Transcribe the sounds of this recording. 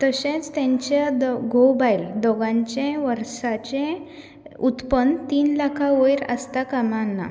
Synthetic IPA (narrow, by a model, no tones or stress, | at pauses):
t̪əɕẽt͡st̪ãɲt͡ɕad̪ɡobajld̪ɔɡãɲt͡ɕẽʋəɾsat͡ɕẽ | ut̪pənt̪iːnlakʰaʋojɾə̰st̪akamanːa̰